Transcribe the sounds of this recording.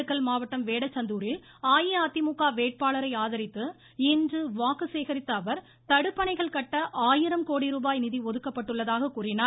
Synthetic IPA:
ɯkːɐɭmaːʋɐʈːɐmʋeːɽɐt͡ʃːɐnd̪uːɾɪl | aːjiɐt̪ːɪmukːaːʋeːʈ̚paːɭɐɾɐɪaːðɐɾɪt̪ːɯ | ɪndrɯʋaːkːɯseːɣɐɾɪt̪ːɐːʋɐɾ | t̪ɐɽɯpːɐnɐɪɣɐɭkɐʈːɐʔaːjɪɾɐmkoːɽiɾuːbaːjnɪðiʋɔðɯkːɐpːɐʈːɯɭːɐðaːɣɐkuːrɪnaː

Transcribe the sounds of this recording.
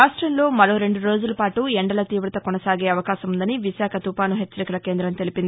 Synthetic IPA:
aːʂʈɾɐmlo̞ːmɐɾo̞ːɾe̞ɳɖuɾo̞ːd͡ʒulɐpaːʈuɛɳɖɐlɐt̪iːʋɾɐt̪ɐkɔnɐsaːɡeːɐʋɐkaːʃɐmund̪ɐniʋiʃaːkʰɐt̪upaːnuɦet͡ʃːɐɾikɐlɐkeːnd̪ɾɐmt̪elipind̪ii

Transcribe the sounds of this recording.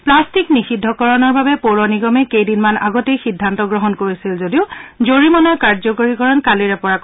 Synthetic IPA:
plastiknixidʱːɔkɔɹɔnɔɹbabɛpoɹɔniɡɔmɛkejdinmana̰ɡɔtejxidʱːantɔɡɹɔɦɔnkoɹisilzodiʊzoɹimɔnɔjkaɹzɔkoɹikɔɹɔnkaliɹɛpɔɹak

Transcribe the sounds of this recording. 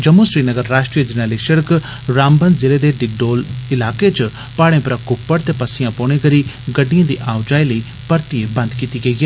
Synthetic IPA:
d͡ʒəmːũsɾiːnəɡəɾːaːʃʈɾijəd͡ʒənaːliːʃəɽək | ɾaːmbənd̪zɪleːd̪eːɖɪɡ̚ɖoːlɪlaːket͡ʃ | paːɽẽːpəɾakʊpːəɽt̪eːpəsɪjãːpoːɽ̃ẽkəɾiː | ɡəɖːijãːd̪ḭːʔaːʊd͡ʒaːiləiː | pəɾt̪iebə̃nd̪kiːt̪iːɡəiɡeː

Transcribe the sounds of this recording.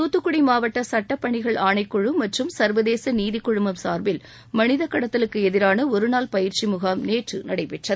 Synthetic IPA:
t̪uːt̪ːɯkːʊɽimaːʋɐʈːɐsɐʈːɐpːɐɳɪɣɐɭaːɳɐɪkːɔɻɯmɐʈrɯmsɐɾʋɐðeːsɐniːðɪkːɔɻɯmbɐmsaːɾbɪl | mɐnɪðɐkːɐɽɐt̪ːɐlɯkːɯɛðɪɾaːnɐɔɾɯnaːlpɐjɪɾt͡ʃimʊɣaːmneːʈrɯnɐɽɐɪpɛʈrɐð

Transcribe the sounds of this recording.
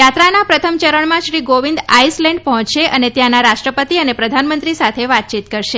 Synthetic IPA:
jat̪ɾanapɾət̪ʰəmt͡ʃəɾəɳmãʃɾiɡoʋind̪aislɛ̃ɳɖpəɦɔ̃t͡ʃʃeʔənet̪janaɾaʃʈɾəpət̪iənepɾəd̪ʱanmənt̪ɾisat̪ʰeʋat̪̚t͡ʃit̪kəɾʃe

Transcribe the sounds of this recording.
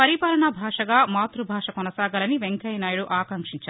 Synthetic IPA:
pɐɾipaːlɐɳɐbʱaːʂɐɡaːmaːt̪ɾubʱaːʂɐkɔnɐsaːɡaːlɐniʋeŋkɐjnaːjuɽuʔaːkɐŋkʂiɲt͡ʃaː

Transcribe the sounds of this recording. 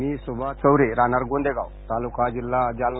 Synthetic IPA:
miːsubʱat͡səwɾeɾanaɾɡond̪eɡa̰wt̪alukad͡ʑilːad͡ʑal

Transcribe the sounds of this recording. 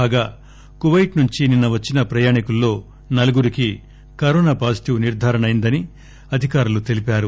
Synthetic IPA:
aːɡaː | kuʋɐjʈnuɲt͡ʃininːɐʋɐt͡ʃːinɐpɾɐjaːɳikulːo̞ː | nɐlɐɡuɾiki | kɐɾoːnaːpaːsi̥t̪iʋuniɾd̪ʱaːɾɐɳɐjind̪ɐni | ɐd̪ʱikaːɾulut̪e̞lipaːɾu

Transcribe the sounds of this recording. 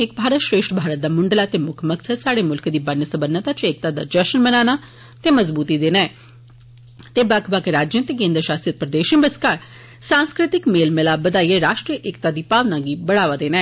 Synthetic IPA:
ɪk̚bʱaːɾət̪ʃɾeːʃʈbʱaːɾət̪̚d̪aːmʊɳɖəlaːt̪eːmʊkʰməksəd̪saːɽeːmʊlkd̪iːbənəsəbənːət̪aːt͡ʃeːk̚t̪aːd̪a̰ːd͡ʒəʃənmənaːnaː | t̪eːməzbuːt̪id̪eːnɛː | t̪eːbakʰbakɾaːd͡ʒə̃t̪eːkẽːnd̪ɾəʃaːst̪ijət̪̚pɾəd̪eːʃəbəskaːɾ | sãːnskɾɪt̪ɪkmeːlmɪlaːbəd̪aːieɾaːʃʈɾijəʔɪkt̪aːd̪iːpaːʋnãːɡiːbəɽaːʋaːd̪eːnɛː

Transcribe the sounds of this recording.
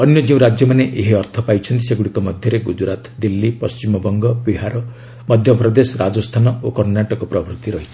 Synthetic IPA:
ɔnjɔd͡ʒeũɾad͡ʒjɔmaneʔeɦiɔɾt̪ʰɔpajt͡ʃʰɔnt̪̬iseɡuɽikɔmɔd̪ʱjɔɾeɡud͡ʒɾat̪d̪ilːipɔst͡ʃimɔbɔŋɡɔbiɦaɾɔ | mɔd̪ʱjɔpɾɔd̪esɔɾad͡ʒɔst̪ʰanɔokɔɾnaʈɔkɔpɾɔbʱɾut̪iɾɔɦit͡ʃʰi̥

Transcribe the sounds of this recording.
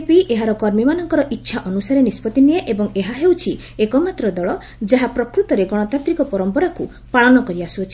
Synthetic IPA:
piʔeɦaɾɔkɔɾmimanɔŋkɔɾɔʔitːʃʰaʔɔnusaɾenispɔt̪inieʔebɔŋeɦaɦewt͡ʃʰi | ekɔmat̪ɾɔd̪ɔɭɔ | d͡ʒaɦapɾɔkɾut̪ɔɾeɡɔɽ̃ɔt̪ant̪ɾikɔpɔɾɔmpɔɾaku | paɭɔnɔkɔɾiasuɔt͡ʃʰi̥

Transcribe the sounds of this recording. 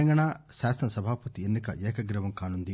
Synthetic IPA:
ɐŋɡɐɳaːʃaːsɐnɐsɐbʱaːpɐt̪ienːikɐ̰ʔɛːkɐɡɾɐʋɐmkaːnund̪i

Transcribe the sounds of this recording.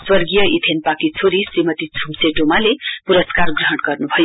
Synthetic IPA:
swʌrɡijʌʔit̪ʰenpakit͡sʰoɾisrimʌt̪it͡sʰumseʈomalepuɾʌskarɡrʌɦʌɽɡʌrnubʱʌjo

